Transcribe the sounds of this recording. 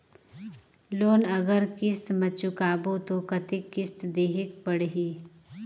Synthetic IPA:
loːnɐɡəɾkɪst̪mət͡ʃʊkaːbot̪okɐt̪ɪkːɪst̪d̪eːɦɪkpəɽɦiː

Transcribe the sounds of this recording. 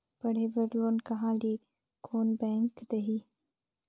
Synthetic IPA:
pɐɽ̤eːbɐɾloːnkɐɦãːliː | kʰoːnbɛ̃ːŋkd̪ɐɦiː

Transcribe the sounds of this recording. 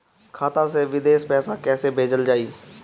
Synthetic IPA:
kʰaːt̪ãːs̬eːʋɪd̪eːʃpɛːsaːkɛːseːbʱeːd͡ʒəld͡ʒaːiː

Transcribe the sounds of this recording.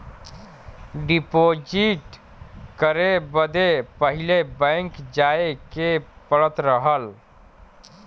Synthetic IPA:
ɖipod͡ʒiʈ | kəɾebəd̪epəɦilebə̃ŋkd͡ʒaekepəɽət̪ɾəɦəl

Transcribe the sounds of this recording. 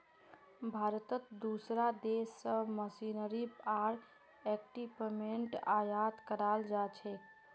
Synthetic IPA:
bʱaɾt̪ət̪d̪usɾad̪esːəməsinəɾipaɾ | ɛkʈipemeɳʈajat̪kəɾald͡ʒat͡ʃʰɛ

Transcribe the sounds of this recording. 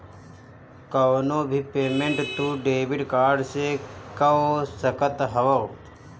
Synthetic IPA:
kɐʋnoːbʱipeːmẽɳʈt̪uɖeːʋɪɖkaːɾɖsekɐosɐkət̪ɦɐʋɐː

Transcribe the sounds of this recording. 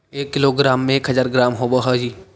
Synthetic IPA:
eːkːɪloɡɾaːmːẽeːkɦɐzaːɾɡɾaːmɦoːbəɦaːd͡ʒiː

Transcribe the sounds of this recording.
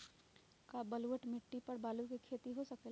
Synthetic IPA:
kabɐlʋəʈmɪʈːipɐɾbaːlukikʰeːt̪iɦosɐke

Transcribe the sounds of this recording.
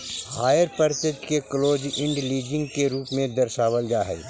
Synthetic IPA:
haːjəɾpəɾsɪd͡ʒkekloːd͡ʒɪ̃ɳɖliːd͡ʒɪ̃ŋɡkeɾuːpmẽd̪ɐɾʃaːwəld͡ʒaːɦɛ̰

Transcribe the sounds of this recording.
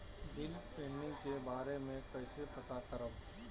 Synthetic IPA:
d̪ɪnpẽːɳɖɪ̃ŋɡkebaːɾemẽkɛɪsepɐt̪akɐɾəb

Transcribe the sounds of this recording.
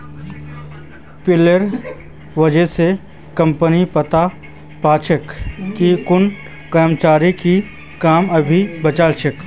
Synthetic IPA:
pɪləɾ | ʋɐd͡ʒəse | kɐ̃mpənipət̪a | paːt͡ʃʰəkːikʊn | kəɾmt͡ʃaːɾiki | kaːmɐbʱibɐt͡ʃaːlʃək

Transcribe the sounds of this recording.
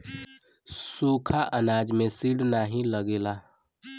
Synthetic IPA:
suːkʰaʔənaːd͡ʒmẽsiɽnaːɦĩləɡeːla

